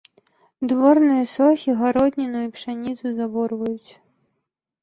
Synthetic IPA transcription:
d̪vɔrnɨjɐsɔxʲiɣaɾɔd̪ʲnʲinujupʂanʲit̪suzabɔrvɐjut͡sʲ

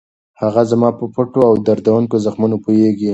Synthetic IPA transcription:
haɣazamɑpəpʊʈoawd̪aɾd̪awuŋkozaxmunopojeɡi

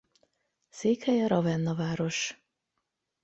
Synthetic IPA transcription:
seːkhɛjɒɾɒvɛnːɒvaːɾo̞ʃ

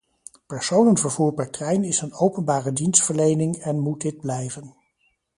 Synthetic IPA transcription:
pɛɹsownənvəɹvuːɹpɛɹtrɛjnɪsənowpənbaːrədinstfəɹlejnɪŋɛnmut̚dɪd̚blɛjvən

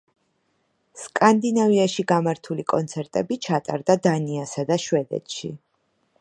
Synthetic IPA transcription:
skʼand̪inaviaʃiɡamaɾt̪ʰulikʼɔnt̪sʰɛɾt̪ʼɛbit͡ʃʰat̪ʼaɾd̪ad̪aniasad̪aʃwɛd̪ɛ̰t̪ʃḭ

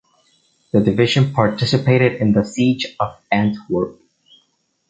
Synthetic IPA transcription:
ðədɨvɪʒɨ̃npʰɑɹtʰɪsɨpʰeɪɾɨɾɪ̃nðəsid͡ʒʌvæ̃ntwə˞k

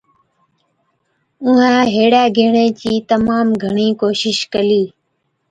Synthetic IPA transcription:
ʊɦãːɦeːɽaːɡʱeːɳeːt͡ʃiːt̪əmaːmɡʱəɳiːkoːʃɪʃkəliː

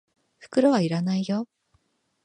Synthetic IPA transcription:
ɸɯ̥kɯ̟ɾoβaiɾanaijo

